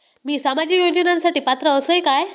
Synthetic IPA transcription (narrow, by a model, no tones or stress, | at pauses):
miːsamad͡ʑiːjod͡ʑənãnsaʈiːpat̪ɾəəsəikaj